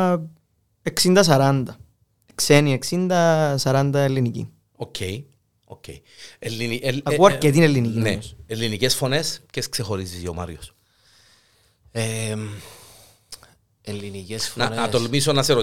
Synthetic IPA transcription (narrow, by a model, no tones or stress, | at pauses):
eksind̪ɐs̬ɐɾɐnd̪ɐ | eksenieksind̪ɐsɐɾɐnd̪ɐelːinicḭ | ocʰːej | ocʰːḛi | elːinieɐkuɐɾket̪inelːinikineselːinicesfo̞nesceskse̞xo̞ɾisizio̰mɐ̰ɾjos | e | elːinicesfnɐnnɐt̪olmisonɐseɾo